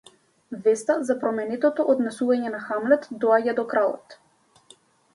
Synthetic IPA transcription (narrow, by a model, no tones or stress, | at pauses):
vɛst̪azapɾɔmɛnɛt̪ɔt̪ɔʔod̪nɛsuvaɲɛnaxamlɛt̪d̪ɔaɟad̪ɔkɾalˠɔ̰t̪